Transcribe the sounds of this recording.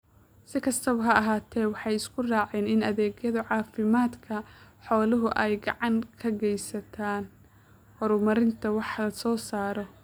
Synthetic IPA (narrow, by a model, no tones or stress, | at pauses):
sɪkʰɐst̪ʰɐβɐɦɐɐɦaːt̪ʰɛːwɑħɑjɪskʰʊraːʕɛːnɪnɐðɛːɡjɐðɐʕɑːfɪmaːd̪kʰɐħɔːlʊɦʊʔɛjɡɑʕɑŋkʰɐɡɛjsɐt̪ʰaːn | hɔɾʊmɐɾɪnt̪ʰɐwɑħlɐsɔːsaːɾɔ